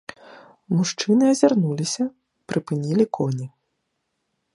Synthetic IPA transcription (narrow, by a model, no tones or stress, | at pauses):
muʂt͡ʂɨnɨɐzʲarnulʲisʲɐ | pɾʔɨpɨnʲilʲikʰɔnʲi